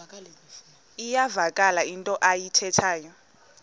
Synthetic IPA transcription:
ijavakʼalaintʼɔʔajitʰɛtʰaːjɔ

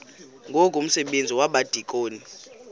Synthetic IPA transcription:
ŋɡʱokʼum̩sɛɓend͡zʱiwaɓad̥ʱikʼoːni

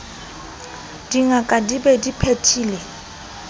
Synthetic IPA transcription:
d̥iŋakʼadibɛdipʰetʰiːlɛ

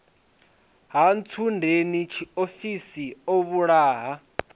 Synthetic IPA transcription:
ɦant͡sʰundʱenit͡ʃʰiofisioβuɺaːɦa

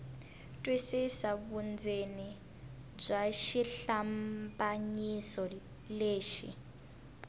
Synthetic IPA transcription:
tʼwesisaβund͡zʱeni | b͡ʐʷaʃiɬambʼaɲisɔ | leːʃḭ

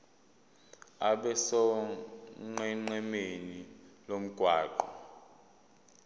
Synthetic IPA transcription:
aɓɛsɔ | ŋ͡ǃɛŋ͡ǃɛmenilom̩ɡ̥ʱwaːǃɔ

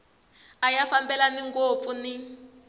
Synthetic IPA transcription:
ajafambɛlaniŋɡop̪funi

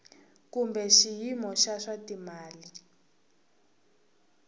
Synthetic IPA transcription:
kumbɛʃijimɔʃaʂatimaːli

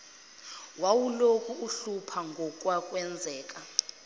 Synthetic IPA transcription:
wawulokʰʼuuɬupʰaŋɡʱɔk̬ʼwakʼwɛnd͡zʱɛːk̬ʼa

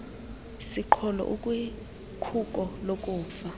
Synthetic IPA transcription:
siǃʰɔlɔ̰ʔukʼwi | kʰuk̬ʼɔlok̬ʼuːfa

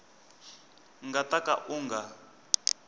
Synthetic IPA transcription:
ŋɡataka̰ʔuŋɡa

